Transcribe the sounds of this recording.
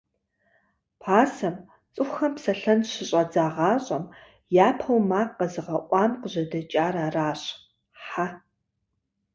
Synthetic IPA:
pʰaːsɐm | t͡sʼɨxʷxɐmpsɐɬɐnɕɪɕʼɐd͡zaːʁɑːɕʼɐm | jaːpʰɐwmaːqːɐzɨʁɐʔʷɑːmqəʑɐdɐt͡ʃʼaːɾaːraːɕʼ | ħa

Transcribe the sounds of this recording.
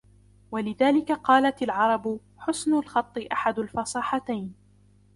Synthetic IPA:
walɪðaːlɪkaqɑːlatalʕɑɾˤɑb | ħʊsnʊlxɑt̪ˤːɨʔaħad̪ʊlfɑsˤɑːħɑt̪ajn

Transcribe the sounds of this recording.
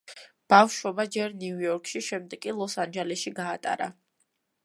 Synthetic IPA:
b̥afʃɔbad͡ʒɛɾniujɔɾkʼʃiʃɛmd̪ɛkʼilˠɔsand͡ʒɛlɛʃiɡaːt̪ʼa̰ɾa̰

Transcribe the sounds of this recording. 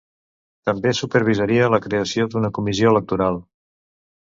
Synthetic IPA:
t̪əmbesupəɾβ̞izəɾiələkɾeəsiod̪unəkumizioələk̚t̪uɾalˠ

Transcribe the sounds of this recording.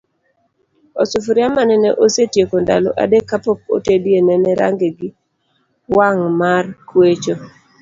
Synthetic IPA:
osufuɾjamanɛnɛʔosetjekonda̰lɔ̰ʔa̰dekːapok̚o̰tedjenɛnɛɾa̰ŋɡeɡɪ | waŋmarkwet͡ʃo

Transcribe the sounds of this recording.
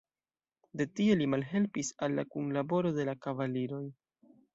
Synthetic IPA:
de̞tie̞limalɦe̞lpisalːakunlabo̞ɾo̞de̞lakavaliɾo̞j

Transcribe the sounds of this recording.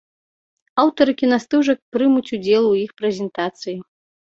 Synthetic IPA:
awt̪ɐɾɨkʲinast̪uʐɐk̚pɾɨmut͡sʲud͡zʲɛlˠwjixpɾɛzʲɛnt̪at̪sɨji

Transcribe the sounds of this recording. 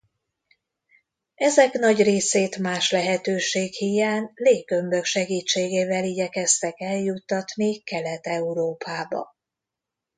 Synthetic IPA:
ɛzɛknɒɟreːseːt̪maːʃlɛɦɛt̪øːʃeːkhijaːnleːɡø̞mbø̞kʃɛɡiːt͡ʃːeːɡeːvɛliɟɛkɛst̪ɛkɛljut̪ːɒt̪nikɛlɛt̪ɛuɾoːpʰaːbɒ̰

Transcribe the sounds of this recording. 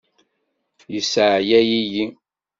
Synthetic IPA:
jəsəʕjæjiji

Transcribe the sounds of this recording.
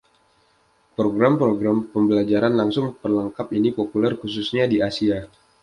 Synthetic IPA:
pɾoɡɾampɾoɡɾampəmbəlad͡ʒaɾanlaŋsʊŋpərlaŋkapinipopulɛrkususɲadiasia

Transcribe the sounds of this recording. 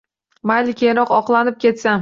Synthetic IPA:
majlɪkʲʰejɾɒqɒqlˠanɪp̚kʲʰe̞t̪sam

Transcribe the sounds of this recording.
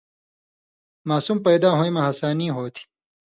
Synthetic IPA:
maːsumpɐjd̪aːɦojmɐɦɐsaːniːɦoːt̪ʰi̥

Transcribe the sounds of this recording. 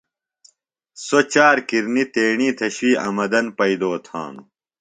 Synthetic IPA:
sot͡ɕaːɾkiɾnit̪eːɳiːt̪ʰɐɕwiːɐ̰mɐd̪ɐnpɐid̪oːt̪ʰã̰ːnu

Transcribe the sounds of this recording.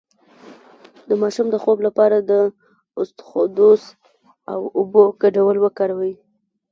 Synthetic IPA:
d̪əmɑʃumd̪əxoblapɑɾad̪ə | ʊst̪xod̪os | awʊbokaɖawəlwəkɑɾawai

